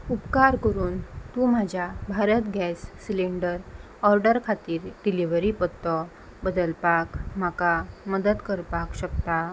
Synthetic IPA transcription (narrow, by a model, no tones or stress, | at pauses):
upkaɾkəɾuːnt̪um̤ad͡ʑʱjabʱaɾət̪ɡɛsːileɳɖəɾ | ɔɾɖəɾkʰat̪iːɾɖiliʋəɾipət̪ːɔ | bəd̪əlpakm̤akaməd̪əd̪kəɾpakɕəkt̪a